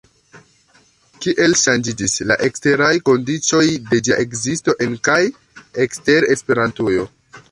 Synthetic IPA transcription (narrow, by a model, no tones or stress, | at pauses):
kiʔe̞lʃand͡ʒid͡ʒisla̰ʔe̞kste̞ɾajko̞ndit͡so̞jde̞d͡ʒaʔe̞kzisto̞ʔe̞nkaj | ekste̞ɾe̞spe̞ɾantujo̞